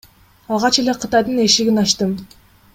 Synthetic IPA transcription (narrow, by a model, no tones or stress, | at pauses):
ɑlˠʁɑt͡ʃele̞qʰɯt̪ɑjd̪ɯneʃiɡʲinɑʃt̪ɯm